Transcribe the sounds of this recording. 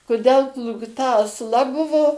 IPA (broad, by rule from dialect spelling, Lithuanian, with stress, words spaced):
kʊˈdʲɛlˠ plˠuːkˈtɐ ɐsˈlˠɐ ˈbʊʋoː